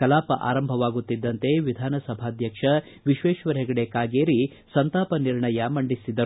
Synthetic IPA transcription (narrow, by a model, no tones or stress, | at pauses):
kɐlaːpɐʔa̰ːɾɐmbʱɐʋaːɡut̪ːid̪ːɐnt̪e̞ʋid̪ʱaːnɐsɐbʱaːd̪ʱjɐkʂɐ | ʋiʃʋeːʃʋɐɾɛɡɐɽekaːɡeːɾi | sɐnt̪aːpɐniɾɳɐjɐmɐɳɖisid̪ɐɾu